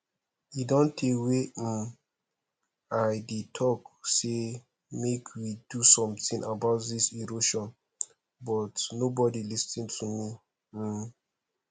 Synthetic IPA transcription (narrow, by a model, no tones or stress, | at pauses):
idɔ̃ntʰewem̩ | aɪdetʰɔkse | mekʰwidusɔ̃mtĩnʔabaʊtðisiɹoʃɔ̃n | bɔtnobɔdilistĩntʰumi | m̩